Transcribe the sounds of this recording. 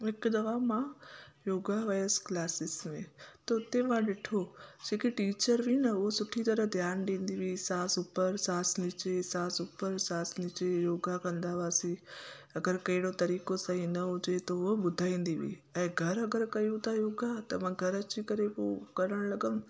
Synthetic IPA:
ɦɪkd̪ɐʋamãjoːɡaʋaːjəsklaːsɪsmẽt̪ɐʊt̪emãɗɪʈʰod͡ʑʱẽːkiʈiːt͡ɕəɾʋʱinɐʊɦosʊʈʰit̪ɐɾəɦd̪ʱjaːnɗĩːn̆d̪iʋisaːsʊpəɾsaːsnɪt͡ɕesaːsʊpəɾsaːsnɪt͡ɕejoːɡakɐ̃nd̪aʋaːsĩɐɡəɾkɐɦɪɽ̃ot̪ɐɾiːkosɐ̃ĩnɐɦʊd͡ʑet̪oʊɦoɓʊd̪ʱaːĩːn̆d̪iʋḭːɛ̃ːɡʱɐɾɐɡəɾkɐjũt̪ʰajoːɡat̪ɐmãːɡʱɐɾɐt͡ɕikɐɾepokɐɾəɽ̃lɐɡənʊ̆

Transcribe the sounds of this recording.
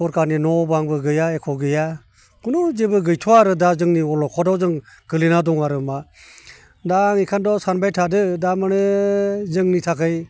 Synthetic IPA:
ɔɾkaɾninɔbaŋbɯɡɯjaekʰɔɡɯja | kunud͡ʒebɯɡɯjtʰɔaɾɯdazɯŋniɔlɔkʰɔdɔzɯŋɡɯlinadɔŋaɾɯma | daŋikʰandɔsanbajtʰadɯdamɯnɯzɯŋnitʰakʰɯj

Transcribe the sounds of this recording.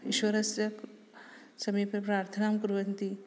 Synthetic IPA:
iʃʋɐɾɐsjɐk | sɐmipɾɐpɾaːɾt̪ʰɐnaːmkuɾʋɐnt̪i

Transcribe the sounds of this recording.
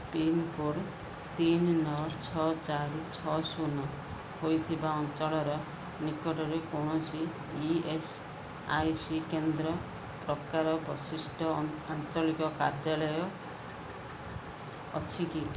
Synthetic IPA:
pinkoɾ | t̪innːɔt͡ʃʰɔt͡ʃaɾit͡ʃʰɔsunɔ | hojt̪ʰibaɔnt͡ʃɔɭɔɾɔ | nikɔʈɔɾekoɳ̃ɔsi | ies | ajsikend̪ɾɔ | pɾɔkaɾɔpɔsisʈʰɔant͡ʃɔlikɔkaɾd͡ʒalɔjɔ | t͡ʃʰiki

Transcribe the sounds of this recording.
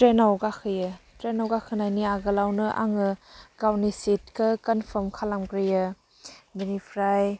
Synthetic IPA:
tɾenawɡakʰɯjɯtɾenɔwɡakʰɯnajniaɡɯlawnɯʔa̰ŋɯkawnisit̚kʰɯkənfʰəmkʰalamɡɾijɯ | benipʰɾaj

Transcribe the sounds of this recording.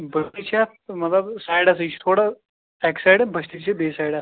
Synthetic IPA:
bʱəst̪it͡ɕjat̪mət̪ləbsajɽasəit͡ʃi̥t̪ʰoɽa | ɛksajɽẽbʱəst̪it͡ɕebesajɽas

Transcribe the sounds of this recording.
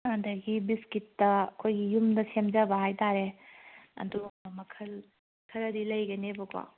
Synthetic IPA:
andɐɡibiskitːɐkʰojɡijumdɐsemd͡ʒɐbɐɦajtaɾe | ɐ̰ndumɐkʰɐl | kʰɐɾɐdilɐjɡɐnebɐka̰

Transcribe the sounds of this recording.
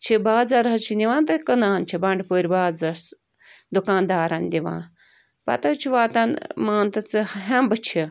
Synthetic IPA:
t͡ʃʰibaːzɐɾɦɐt͡ʃʰinʲiʋãːnt̪ɨkɐnaːnt͡ʃʰibɐɳɖpoːɾʲibaːzɾɐs | d̪ukãːnd̪aːɾɐnʲd̪iʋã̰ː | pɐ̰t̪ɐt͡ʃʰiʋaːt̪ɐnmaːnt̪ɨt͡sɨɦɐmbɨt͡ʃʰi

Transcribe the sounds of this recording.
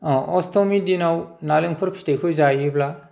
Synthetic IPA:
ɔstɔmidinawnalɯŋkʰɔɾpʰtekʰujzajibla

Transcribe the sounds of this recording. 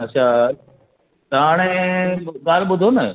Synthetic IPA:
ɐt͡ɕʰa | t̪ɐɦaːɽ̃e | kaːɾɓʊd̪ʱonɐ

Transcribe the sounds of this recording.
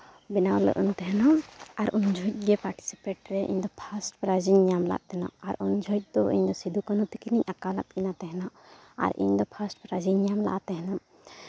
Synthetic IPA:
binawlɔ̰ʔɔ̰nt̪ɛɦɛnaaɾʔuɲd͡ʒʱɔc̚ˀɡɛpaɾʈi̥si̥peʈɾɛʔḭɲd̪ɔpʰasʈpɾad͡ʒiɲamla̰ʔ̪̚t̪ɛna̰ʔaɾuɲd͡ʒʱɔjc̚ˀd̪ɔʔiɲd̪ɔsid̪ukanut̪ikiniɲakala̰t̪̚kinat̪ɛɦɛnaʔ | a̰ɾʔḭɲd̪ɔpʰasʈpɾad͡ʒiɲamla̰ʔat̪ɛɦɛna

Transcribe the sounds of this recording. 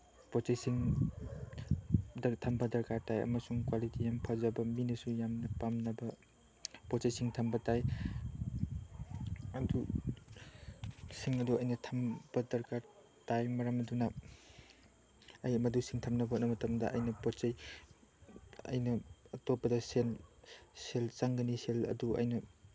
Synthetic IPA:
pɔt͡ʃejsiŋ | dɐtʰɐmbɐdɐɾkaɾtajɐ̰mɐsuŋkwalitijampʰazabɐminɐsujamnɐpamnɐbɐ | pɔt͡ʃejsiŋtʰambɐtaj | ɐdu | siŋɐduɐjnɐtʰɐmbɐdɐɾkaɾ | tajmɐɾamɐduna | ɐjɐmɐdusiŋtʰamnɐbot̚nɐmɐtɐmdɐ̰ʔɐ̰jnɐpɔt͡ʃɐj | ɐ̰jnɐɐtopːɐdɐselselt͡ʃaŋɡɐniselɐ̰duɐ̰jnɐ

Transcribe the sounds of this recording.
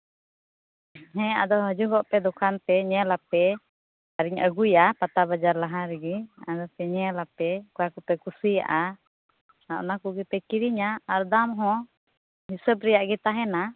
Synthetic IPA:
ɦɛ̃a̰d̪ɔɦəd͡ʒuɡɔʔpɛd̪ɔkʰant̪ɛɲɛlapɛ | aɾiɲə̰ɡujapat̪abad͡ʒaɾlaɦaɾɛɡiad̪ɔp̪ɛɲɛlapɛkuakupɛkusija̰ʔa | aʔnakuɡɛpɛkiɾiɲaːɾd̪amɦɔ̃ | ɦisəbɾɛjaʔɡɛt̪aɦɛna

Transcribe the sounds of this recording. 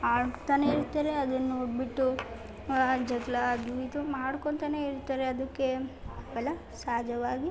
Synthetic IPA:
aːɭt̪aneiɾt̪ːaːɾeɐd̪ɐnːuobiʈːu | d͡ʒɐɡlad̪uit̪umaːɽkoɳt̪aneiɾut̪ːaːɾeɐd̪ɐkːe̞bɛlɐ | saːd͡ʒʱɐʋaːɡi

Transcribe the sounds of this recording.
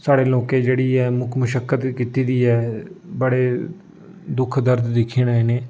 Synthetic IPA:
saːɽeːloːkeːd͡ʒeːɽiːɛːmʊkʰməʃəkːət̪kiːt̪iːd̪iːɛːbəɽeː | d̪ʊkʰd̪əɾd̪d̪ɪkʰːiːnaːeːneː

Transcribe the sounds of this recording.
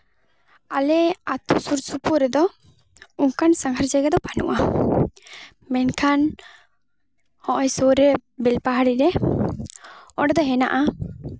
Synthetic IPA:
alɛat̪usuɾsupuɾɛd̪ɔ | uŋkansaŋɦaɾd͡ʒɛɡɛd̪ɔpanṵʔa | mɛnkʰan | hɔ̃ʔɔjsoɾɛbɛlpaɦaɽiɾɛ | ɔɖɛd̪ɔɦɛna̰ʔa

